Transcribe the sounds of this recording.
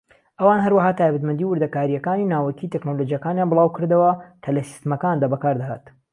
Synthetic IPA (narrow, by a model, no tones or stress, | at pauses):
ʔɐwanɦɐɾwɐɦaːt̪ʰaːjbɐt̪mɨnd̪iːwɨɾd̪ɐkaːɾijɐkaːninaːwɐkʰit̪ʰeknolod͡ʒijɐkaːnjaːnbɨlˠaːwkɨɾd̪ɐwɐkʰɐlɐsi̥st̪ɨmɐkand̪aːbɐkaːɾd̪ɐha̰ːt̪